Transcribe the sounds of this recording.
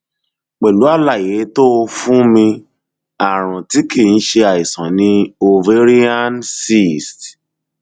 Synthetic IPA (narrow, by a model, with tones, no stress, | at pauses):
k͡pɛ˨lu˨˦a˦˨la˨je˨˦to˦˧fũ˦mĩ˧ | a˨ɾ̃ũ˨ti˨˦ki˦˨n̩˦ʃe˧a˨i˨sã˨nĩ˧˦o˧ve˦ɾi˦a˦nsi˦˨st